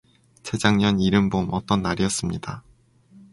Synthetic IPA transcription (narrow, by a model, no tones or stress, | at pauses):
t͡ɕʰe̞d͡ʑaŋɲʌniɾɯmbomʌt͈ʌnːaɾiʌs͈ɯmɲida